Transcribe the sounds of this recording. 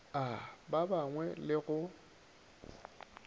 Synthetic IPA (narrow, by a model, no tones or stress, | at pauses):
ababaŋwɛlɪɣʊ